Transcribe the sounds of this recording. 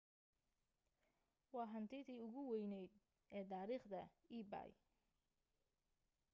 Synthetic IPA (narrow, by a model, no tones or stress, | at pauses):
wɑːɦɐnt̪ʰɛjt̪iːʊɣʊwɛjnɛjd̪ | ʔɛːd̪aːɾiːχd̪ɐiːba̰ːj